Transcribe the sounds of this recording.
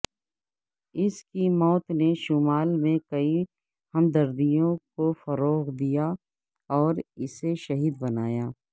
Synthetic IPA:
ɪskimɔːt̪neʃʊmaːlmẽkɐi | hɐmd̪ɐɾd̪ijõkofɐɾoːɣd̪ija | ɔːɾɪseʃɐɦiːd̪bɐnaːjaː

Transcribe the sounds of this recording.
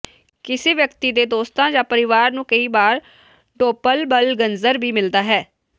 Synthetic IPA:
kɪseːʋjəkt̪iːd̪eːd̪oːst̪ãːd͡ʒãːpəɾɪʋaːɾnũːkəiːbaːɾ | ɖoːpəlbəlɡənzəɾbiːmɪld̪aːɦɛː

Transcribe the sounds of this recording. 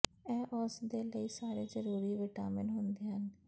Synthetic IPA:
ɛːʔɔːsd̪eːləiːsaːɾeːzəɾuːɾiːʋɪʈaːmənɦʊnd̪eːɦən

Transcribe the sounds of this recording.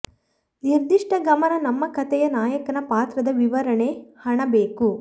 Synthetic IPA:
niɾd̪iʂʈɐɡɐmɐnɐnɐmːɐkɐt̪ɛjɐnaːjɐkɐnɐpaːt̪ɾɐd̪ɐʋiʋɐɾɐɳehɐɳɐbeːku

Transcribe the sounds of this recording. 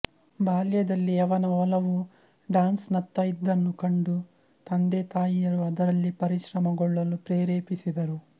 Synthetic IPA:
baːljɐd̪ɐlːiɐʋɐnɐɔlɐʋu | ɖaːnsnɐt̪ːɐjid̪ːɐnːukɐɳɖu | t̪ɐnd̪et̪aːjijɐɾuɐd̪ɐɾɐlːipɐɾiʃɾɐmɐɡɔɭːɐlupɾeːɾeːpisid̪ɐɾu

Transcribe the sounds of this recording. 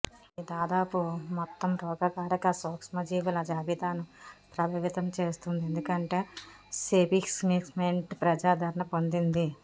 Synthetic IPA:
id̪aːd̪aːpumɔt̪ːɐmɾɔːɡɐkaːɾɐkɐsɔːksmɐd͡ʒiːʋulɐd͡ʒaːbid̪aːnupɾɐbʱɐʋit̪ɐmt͡ʃeːst̪und̪iend̪ukɐɳʈe̞ː | seːbiksmiːksmeɳʈpɾɐd͡ʒaːd̪ʱɐɾɐɳɐpo̞nd̪ind̪i

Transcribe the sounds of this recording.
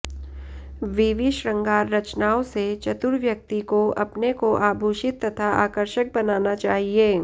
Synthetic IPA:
ʋiʋɪʃɾɐ̃ŋɡaːɾːɐt͡ʃnaːõset͡ʃɐt̪ʊɾʋjɐk̚t̪ikoɐpnekoʔaːbʱuːʃɪt̪ːɐt̪ʰaʔaːkəɾʃək̚bɐnaːnat͡ʃaːɦieː

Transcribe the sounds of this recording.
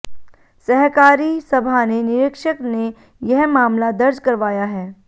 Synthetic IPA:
sɛɦkaːɾisɐbʱanenɪɾɪkʃəkne | jɐɦmaːmlad̪ɐɾd͡ʒkɐɾʋaːjaɦɛː

